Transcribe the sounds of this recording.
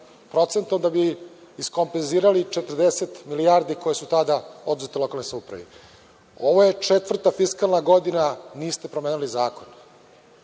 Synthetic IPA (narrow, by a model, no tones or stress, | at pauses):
pɾo̞t̪se̞nt̪od̪abiː | sko̞mpenziːɾalit͡ʃet̪ərd̪eset̪milijaɾd̪iko̞jesut̪ad̪ao̞d̪uzet̪elo̞kalnojsaupɾa̰ʋḭ | o̞ʋojet͡ʂet̪ʋvr̩t̪afiskalˠnaɡo̞d̪inaniːst̪e̞pɾomeːnulizaːko̞n